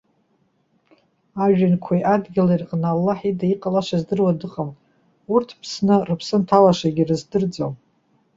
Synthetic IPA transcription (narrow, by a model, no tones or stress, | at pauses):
aʒᶣankʷʰajʔadɡʲilairqʼnaːlːaħidaiqʼalaʃʷazdɨrwadɨqʼam | urtʰpʰsnɨrɨpʰsɨntʰalaʂaɡʲirɨzdɨrd͡zow